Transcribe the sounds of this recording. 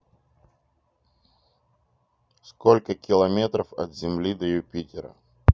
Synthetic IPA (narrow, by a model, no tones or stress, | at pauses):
skolʲkəkʲɪlˠɐmʲet̪ɾəfɐt̪zʲɪmlʲid̪əjʊpʲitʲɪɾə̰